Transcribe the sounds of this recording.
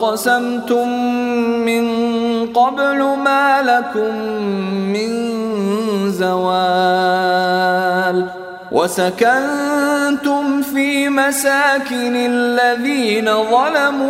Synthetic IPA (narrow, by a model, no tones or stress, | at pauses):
qɑsamt̪ʊmː | ɪnqɑblʊmaːlakʊmː | ɪn | zawaː | l | wʔa̰sakant̪ʊmfiːmasaːkɪnalːaðiːnaðˤɑlamuː